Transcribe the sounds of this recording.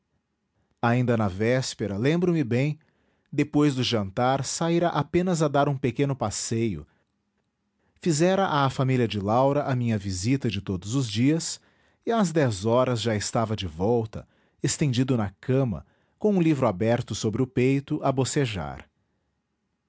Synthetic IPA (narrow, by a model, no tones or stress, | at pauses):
aĩnd̪ɐnɐvɛspeɾɐlẽmbɾʊmɪbẽj̃ | d̪epojzd̪ʊʒɐ̃nt̪aɾsaiɾɐʔapẽnɐzɐd̪aɾũpekẽnʊpasejʊ̰ | fizɛɾɐʔaːfamiliɐd͡ʒɪlawɾɐʔamĩɲɐvizit̪ɐd͡ʒɪt̪od̪ʊzʊzd͡ʒiɐs | ɪazd̪ɛzɔɾɐzʒaɪst̪avɐd͡ʒɪvɔwt̪ɐ̰ | est̪ẽnd͡ʒid̪ʊnɐkʰɐ̃mɐ̰ | kõũlivɾʊabɛɾt̪ʊsobɾɪʊpejt̪ʊʔɐboseʒa̰ɾ